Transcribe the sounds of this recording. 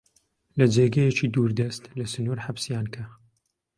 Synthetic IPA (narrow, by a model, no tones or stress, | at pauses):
lɐd͡ʒeːɡɐjɛt͡ʃid̪uːɾd̪ɐst̪lɐsɨnuːɾħabsjaːnkʰɐ